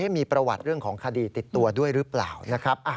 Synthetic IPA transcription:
ha˥˩jmiː˧pɾa˧wa˨˩t̪̚ɾɯ˥˩əŋkʰɔː˩˦ŋkʰa˧diː˧t̪i˨˩t̪ːu˧ɐdu˥˩əjɾɯ˦˥pla̰ː˨˩wna˦˥kʰɾa˦˥p̚ʔaː˨˩

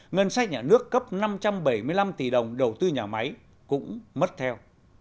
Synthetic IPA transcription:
ŋə˧nsa˦˥k̚ɲaː˨˩nɨ˦˥əkːə˦˥p̚na˧mt͡ɕa˧mɓə˧˩jmɨ˧əjla˧mt̪i˨˩ɗə˨˩wŋ͡mɗə˨˩wt̪ɨ˧ɲaː˨˩ma˨˦j | kʊ̰˧˥ŋ͡mmə˦˥t̚t̪ʰɛ˧w

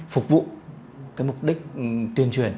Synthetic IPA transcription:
fʊ˨˩k͡p̚vṵ˧˨ | kaː˨˦jmʊ˨˩k͡p̚ɗï˦˥k̟̚t̪wi˧ənt͡ɕwi˨˧˩ən

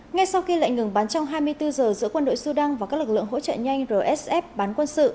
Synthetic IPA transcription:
ŋa˧jsa˧wxi˧la̰ː˧˨jŋɨ˨˩ŋɓaː˨˦nt͡ɕɔ˧wŋ͡mɦaː˧jmɨ˧əjt̪ɨ˧zəː˨˩zɨ̰˧˥kwə˧nɗo̰˧˨jsu˧ɗa˧ŋva˨˩kaː˦˥k̚lɨ˨˩k̚ɨ˧˨ə˨ŋɦo̰˧˥t͡ɕə̰ː˧˨ɲa˧jŋ̟zəː˨˩ʔɛ˦˥sʔɛ˦˥p̚ɓaː˨˦nkwə˧nsɨ̰˧˨

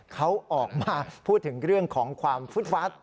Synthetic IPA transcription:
kʰa˦˥wʔɔː˨˩k̚maː˧pʰuː˥˩t̪ʰːɯ˩˦ŋɾɯ˥˩əŋkʰɔː˩˦ŋkʰwaː˧mfu˦˥t̪̚faː˦˥t̪̚

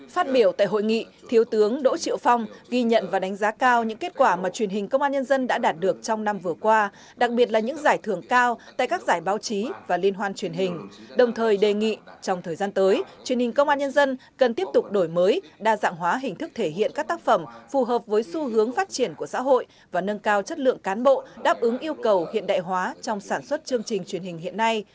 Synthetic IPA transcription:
faː˦˥t̚ɓi˧˩əwt̪a̰ː˧˨jɦo̰˧˨jŋḭ˧˨t̪ʰi˨˦əwt̪ɨ˨˦əŋɗo̰˧˥t͡ɕḭ˧˨əwfɔ˧wŋ͡mɣi˧ɲə̰˧˨nvaː˨˩ɗa˨˦ŋ̟zaː˨˦kaː˧wɲɨ̰˧˥ŋke˦˥t̚kwaː˧˩maː˨˩t͡ɕwi˨˩ənɦï˨˩ŋ̟kə˧wŋ͡mʔaː˧ɲə˧nzə˧nɗa̰ː˧˥ɗaː˨˩t̚ɗɨ˨˩ək̚t͡ɕɔ˧wŋ͡mna˧mvɨ˨˩əkwaː˧ | ɗa˨˩k̚ɓi˨˩ət̚laː˨˩ɲɨ̰˧˥ŋzaː˧˩jt̪ʰɨ˧˩əŋkaː˧wt̪a̰ː˧˨jkaː˦˥k̚zaː˧˩jɓaː˨˦wt͡ɕi˨˦vaː˨˩li˧ənɦwaː˧nt͡ɕwi˨˩ənɦï˨˩ŋ̟ɗə˨˩wŋ͡mt̪ʰəː˨˩jɗe˨˩ŋḭ˧˨t͡ɕɔ˧wŋ͡mt̪ʰəː˨˩jzaː˧nt̪əː˨˦jt͡ɕwi˨˩ənhï˨˩ŋ̟kə˧wŋ͡mʔaː˧ɲə˧nzə˧nkə˨˩nt̪i˦˥əp̚t̪ʊ˨˩k͡p̚ɗo˧˩jməː˨˦jɗaː˧za̰ː˧˨ŋɦwaː˨˦ɦï˨˩ŋ̟t̪ʰɨ˦˥k̚t̪ʰe˧˩ɦḭ˧˨ənkaː˦˥k̚t̪aː˦˥k̚fə˧˩mfu˨˩ɦəː˨˩p̚vəː˨˦jsu˧ɦɨ˨˦əŋfaː˦˥t̚t͡ɕi˧˩ənku˧˩əsa̰ː˧˥ɦo̰˧˨j | vaː˨˩nə˧nkaː˧wt͡ɕə˦˥t̚lɨ̰˧˨əŋkaː˨˦nɓo̰˧˨ɗaː˦˥p̚ʔɨ˨˦ŋʔi˧əwkə˨˩whḭ˧˨ənɗa̰ː˧˨jɦwaː˨˦t͡ɕɔ˧wŋ͡msaː˧˩nswə˦˥t̚t͡ɕɨ˧əŋt͡ɕï˨˩ŋ̟t͡ɕwi˨˩ənhï˨˩ŋ̟ɦḭ˧˨ənːa˧j

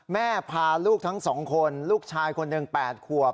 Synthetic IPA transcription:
mɛː˥˩pʰaː˧luː˥˩k̚t̪ʰa˦˥ŋsɔː˩˦ŋkʰo˧nluː˥˩k̚t͡ɕʰaː˧jkʰo˧nːɯ˧ŋpɛː˨˩t̪̚kʰu˨˩əp̚

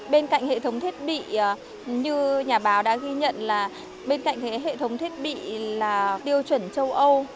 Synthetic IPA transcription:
ɓe˧nka̰˧˨ŋhḛ˧˨t̪ə˨˦wŋ͡mt̪ʰi˦˥ət̚ɓḭ˧˨˩ | ɲɨ˧ɲaː˨˩ɓaː˨˦wɗa̰ː˧˥ɣi˧ɲə̰˧˨nlaː˨˩ | ɓe˧nka̰˧˨jŋ̟t̪ʰe˨˦ɦḛ˧˨t̪ʰə˨˦wŋ͡mt̪ʰi˦˥ət̚ɓḭ˧˨laː˨˩t̪i˧əwt͡ɕwə˧˩nt͡ɕə˧wʔə˧w

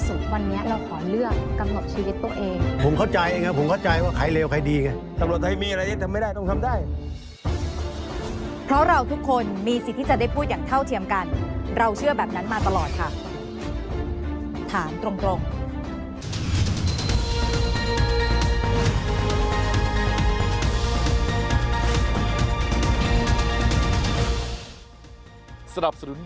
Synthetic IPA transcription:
su˨˩t̪̚wa˧nːi˦˥ɐɾa˧wkʰɔː˩˦mlɯ˥˩ək̚ka˧mna˨˩p̚t͡ɕiː˧wi˦˥t̪ːu˧əʔeː˧ŋpʰo˨˩˦mkʰa˥˩wt͡ɕa˧jʔeː˧ŋa˦˥˩pʰo˩˦mkʰa˥˩wt͡ɕa˧jwaː˥˩kʰa˨˩jleː˧wkʰa˧˥jdiː˧ŋa˧˩ | sa˦mɾu˨˩ət̪̚ʰa˧˥˩jmiː˧ʔa˧ɾa˧jt̪a˥˩t̪ʰmːa˥˩jdaː˥˩jt̪ɔ˥˩ŋt̪ʰa˧mdaː˥˩j | pʰɾɔ˦˥ɾa˧wt̪ʰu˦˥kʰːo˧nmiː˧si˨˩t̪ʰːiː˥˩t͡ɕa˨˩da˥˩pʰuː˥˩t̪̚jaː˨˩ŋt̪ʰa˥˩wt̪ʰi˧əmka˧nɾa˧wt͡ɕʰɯ˥˩ɐbɛː˨˩p̚na˦˥nmaː˧t̪a˧lɔː˨˩t̪̚kʰa˥˩ | t̪ʰaː˩˦mt̪ɾo˧ŋt̪ɾo˧ŋ | sa˧na˨˩p̚sa˧nu˨˩˦n

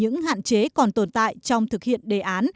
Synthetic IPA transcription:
ɨ̰˧˥ŋha̰ː˧˨nt͡ɕe˨˦kɔ˨˩nt̪o˧˩nt̪a̰ː˧˨jt͡ɕɔ˧wŋ͡mt̪ʰɨ˨˩k̚hḭ˧˨ənɗe˨˩ʔaː˨˦n

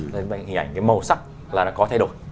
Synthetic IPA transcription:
ɓa˧˩hi˨ʔa˧˩ŋkaː˨˦jmə˨˩wsa˦˥k̚ | laː˨˩nɔ˨˦˥kɔ˨˦t̪ʰa˧˩jɗo˨˧˩j

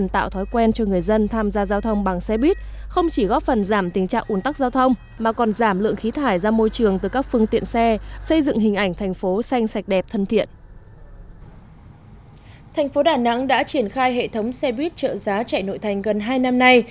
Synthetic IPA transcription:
nt̪a̰ː˧˨wt̪ʰɔ˨˦jkwɛ˧nt͡ɕɔ˧ŋɨ˨˩əjzə˧nt̪ʰaː˧mzaː˧zaː˧wt̪ʰə˧wŋ͡mɓa˨˩ŋsɛ˧ɓwi˦˥t̚xə˧wŋ͡mt͡ɕi˧˩ɣɔ˦˥p̚fə˨˩nzaː˧˩mt̪ï˨˩ŋ̟t͡ɕa̰ː˧˨ŋʔu˨˩ənt̪a˦˥k̚zaː˧wt̪ʰə˧wŋ͡m | maː˨˩kɔ˨˩nzaː˧˩mlɨ̰˧˨əŋxi˨˦t̪ʰaː˧˩jzaː˧mo˧jt͡ɕɨ˨˩əŋt̪ɨː˨˩kaː˦˥k̚fɨ˧əŋt̪ḭ˧˨ənsɛ˧sə˧jzɨ̰˧˨ŋɦhï˨˩ŋ̟ʔa˧˩jŋ̟t̪ʰɛ˨˩jŋ̟fo˨˦sa˧jŋ̟sa˨˩jk̟̚ɗɛ˨˩p̚t̪ʰə˧nt̪ʰḭ˧˨ən | t̪ʰa˨˩ŋ̟fo˨˦ɗaː˨˩na̰˧˥ŋɗa̰ː˧˥t͡ɕi˧˩ənxaː˧jɦḛ˧˨t̪ʰə˨˦wŋ͡msɛ˧ɓwi˦˥t̚t͡ɕə̰ː˧˨zaː˨˦t͡ɕa̰ː˧˨˩jno̰˧˨jt̪ʰa˨˩jŋ̟ɣə˨˩nɦaː˧jna˧mna˧j

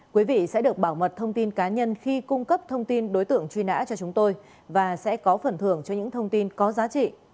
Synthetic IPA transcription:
kwi˨˦vḭ˧˨sɛ̰˧˥ɗɨ˨˩ək̚ɓaː˧˩wmə˨˩t̚t̪ʰə˧wŋ͡mt̪i˧nkaː˨˦ɲə˧nxi˧kʊ˧ŋ͡mkə˦˥p̚t̪ʰə˧wŋ͡mt̪i˧nɗo˨˦jt̪ɨ̰˧˩˨əŋt͡ɕwi˧na̰ː˧˥t͡ɕɔ˧t͡ɕʊ˨˦ŋ͡mt̪o˧j | vaː˨˩sɛ̰˧˥kɔ˨˦fə˨˩nt̪ʰɨ˧˩əŋt͡ɕɔ˧ɲɨ̰˧˥ŋt̪ʰə˧wŋ͡mt̪i˧nkɔ˨˦zaː˨˦t͡ɕḭ˧˨

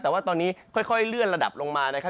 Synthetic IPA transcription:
t̪ɛː˨˩waː˥˩t̪ɔː˧nːiː˦˥kʰɔ˥˩jkʰɔ˥˩jlɯ˥˩ənɾa˧da̰˨˩p̚lo˧ŋmaː˧na˦˥kʰa˦˥˩

